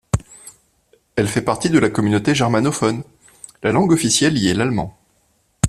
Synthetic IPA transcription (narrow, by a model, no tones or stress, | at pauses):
ɛlfɛpaʁt̪id̪əlakɔmynot̪eʒɛʁmanɔfɔn | lalɑ̃ɡɔfisjɛljɛlalmɑ̰̃